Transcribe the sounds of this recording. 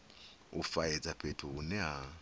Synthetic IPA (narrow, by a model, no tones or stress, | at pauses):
ṵfajɛd͡zapʰetʰuunɛɦa